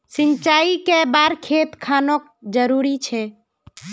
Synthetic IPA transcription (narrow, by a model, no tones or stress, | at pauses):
sɪnt͡ʃaːikebaɾkʰet̪kʰaːnok | d͡ʒəɾuɾit͡ʃʰɛ